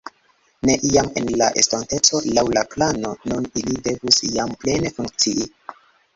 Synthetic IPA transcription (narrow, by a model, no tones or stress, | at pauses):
ne̞ʔiame̞̰nlaʔḛstante̞t͡so̞lawlaplano̞nunilide̞vusjample̞ne̞fuŋkt͡siʔi